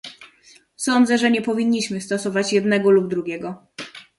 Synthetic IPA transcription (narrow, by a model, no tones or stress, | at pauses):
sɔnd̪zɛʐɛɲɛpɔvʲiɲːiɕmɘst̪ɔsɔvat͡ɕjɛd̪nɛɡɔlubd̪ɾuɡʲjɛɡɔ